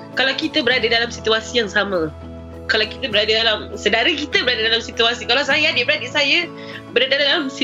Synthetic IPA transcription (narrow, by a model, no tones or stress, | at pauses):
kalawkit̪əbəɾadadalamsit̪uasijaŋsamã | kalawkit̪əbəɾadadalamsədaɾəkit̪əbəɾadadalamsit̪uasikalawsajaadibəɾadisaja | bəɾadadaalamsi